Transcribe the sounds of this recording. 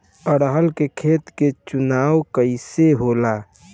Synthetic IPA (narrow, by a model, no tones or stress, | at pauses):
əɽɦəlkekʰeːt̪ket͡ʃʊnaːwkəɪseɦoːlaː